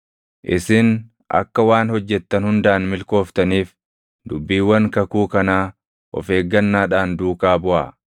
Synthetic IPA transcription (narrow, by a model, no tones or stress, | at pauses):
ʔɪsɪn | ʔɐ̰kːɐwaːnhɔd͡ʒːɛt̪ːɐnhʊnd̪aʔːnmɪlko̞ːft̪ɐniːf | d̪ʊbːiːwːɐŋkɐkuːkɐnaː | ʔɔ̰fe̞ːɡːɐnːaːᶑaːnd̪uːkaːbʊʔaː